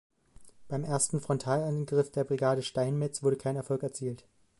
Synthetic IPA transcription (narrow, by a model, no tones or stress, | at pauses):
b̥aɪmʔeːɐstn̩fʁ̥ɔntʰaːlanɡʁɪfd̥eːɐbʁiɡaːɾəʃtaɪnmɛt͡sv̥ʊɐɾəkʰaɪnɛɐfɔlkɛɐt͡siːlt